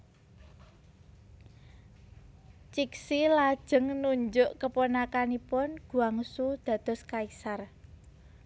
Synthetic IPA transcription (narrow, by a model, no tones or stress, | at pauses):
t͡ʃiksilad̥ʒ̥ə̤ŋnuɲd͡ʒʊʔkəponakanipʊnɡ̥ṳaŋsud̪̥ä̤d̪̥ɔ̤skaisar